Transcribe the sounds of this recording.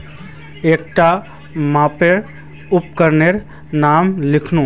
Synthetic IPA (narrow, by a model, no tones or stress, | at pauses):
ek̚ʈa | mãpeɾ | up̚kəɾneɾ | namlikʰnũ